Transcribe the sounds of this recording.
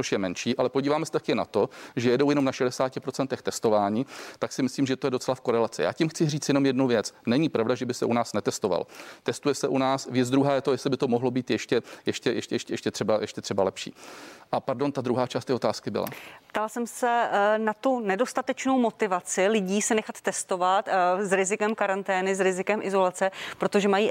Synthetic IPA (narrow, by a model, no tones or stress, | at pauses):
t͡soʃjɛmɛnʃiːʔalɛpo̞ɟiːvaːmɛsɛ̥t̪akɛːna̰t̪o̞ʒɛjɛdo̞wjɛnomnaʃɛdɛsaːcɪpɾot͡sɛnt̪ɛxt̪ɛst̪o̞vaːɲiːt̪aksɪmɪsliːmʒɛt̪o̞jɛdo̞t͡sɛlafko̞ɾɛlat͡sɪja̰ːcimxt͡sɪriːt͡sjɛno̞mjɛdnuvjɛt͡snɛɲɪpɾavdaʒɛbɪsɛʔunaːsnɛt̪ɛst̪o̞va̰lt̪ɛst̪ujɛsɛʔunaːsvjɛd͡zd̪ɾuɦaːjɛt̪o̞jɛslɪbɪt̪o̞moɦlo̞biːt̪jɛʃcɛjɛʃcɛjɛʃcjɛʃcɛjɛʃcɛt̪r̥ɛbajɛʃcɛt̪r̥ɛbalɛpʃḭːʔapaɾdo̞nt̪ad̪ɾuɦaːt͡ʃaːst̪ɛːot̪aːskɪbɪ̰la̰pt̪alsɛmsɛnat̪unɛdo̞st̪at̪ɛt͡ʃno̞wmo̞t̪ɪvat͡sɪlɪɟiːsɛnɛxat̪ːɛst̪o̞vat̪zɾɪzɪkɛmkaɾant̪ɛːnɪzɾɪzɪkɛmʔɪzo̞lat͡sɛpɾo̞t̪oʒɛmajiː